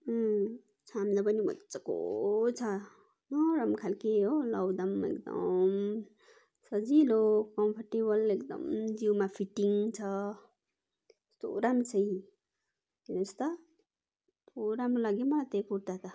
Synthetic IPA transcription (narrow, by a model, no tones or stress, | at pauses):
t͡sʰamd̪ʌpʌnimʌ̰tt͡sʌko̰t͡sʰʌ | nʌɾʌmkʰalkeolʌwd̪ʌmḛkd̪ʌ̰m | sʌd͡zilokʌmpʰʌʈebʌlekd̪ʌ̰md͡ziwmapʰiʈiŋt͡sʰʌ | st̪o̰ɾamt͡sʰʌi | kinest̪ʌ | t̪ʰoɾamɾolaɡimʌlat̪epuɾt̪at̪ʰʌ